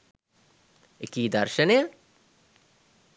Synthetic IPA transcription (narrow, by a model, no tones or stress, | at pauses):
ɪkiːd̪ɐɾʃənjɐ